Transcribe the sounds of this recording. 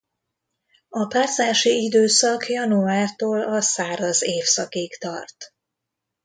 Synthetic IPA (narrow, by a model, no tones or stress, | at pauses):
ɒpaːrzaːʃiid̪øːsɒkjɒnuaːrt̪oːlɒsaːɾɒzeːfsɒkikt̪ɒrt̪